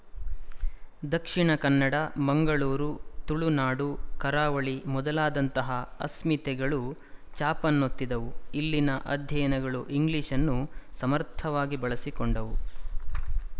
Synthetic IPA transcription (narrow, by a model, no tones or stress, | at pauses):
d̪ɐkʂiɳɐkɐnːɐɽɐmɐŋɡɐɭuːɾut̪uɭunaːɽukɐɾaːʋɐɭimɔd̪ɐlaːd̪ɐnt̪ɐɦɐɐsmit̪ɛɡɐɭut͡ʃaːpɐnːot̪ːid̪ɐʋuilːinɐʔɐd̪ʱjɐjɐnɐɡɐɭuʔiŋɡliːʂɐnːusɐmɐɾt̪ʰɐʋaːɡibɐɭɐsikɔɳɖɐʋu